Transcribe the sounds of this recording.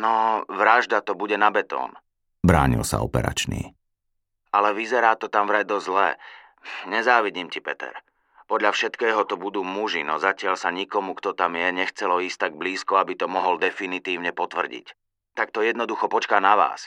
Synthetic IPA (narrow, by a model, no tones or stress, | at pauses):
nɔʋɾaʒd̪at̪ɔbuɟɛnabɛt̪ɔ̰ːn | bɾa̰ːɲḭlsa̰ɔ̰pɛ̰ɾa̰t͡ʃnḭː | alɛʋizɛɾaːt̪ɔt̪amvɾajd̪ɔzlɛ | ɲɛzaːʋiɟiːmcipɛt̪ɛ̰ɾ | pɔd̪ʎafʃɛt̪kɛːɦɔt̪ɔbud̪uːmuʒinɔzacɪaʎsaɲikɔmukt̪ɔt̪amjɛɲɛxt͡sɛlɔiːst̪ːaɡ̚bliːskɔabit̪ɔmɔɦɔld̪ɛfinit̪iːʊɲɛpɔt̪ʋr̩ɟḭc | t̪ak̚t̪ɔjɛd̪nɔd̪uxɔpɔt͡ʃkaːnaʋa̰ːs